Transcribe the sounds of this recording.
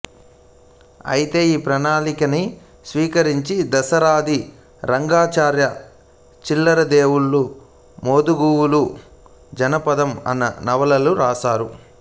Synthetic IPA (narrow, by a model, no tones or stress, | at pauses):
ɐ̰jit̪e̞ːiːpɾɐnaːlikɐni | sʋiːkɐɾiɲt͡ʃid̪ɐsɐɾaːd̪i | ɾɐŋɡaːt͡ʃaːɾjɐ | t͡ʃilːɐɾɐd̪eːwuɭːu | moːd̪uɡuːwulu | d͡ʒɐnɐpɐd̪ɐmɐ̰nːɐ̰nɐʋɐlɐluɾaːsaːɾu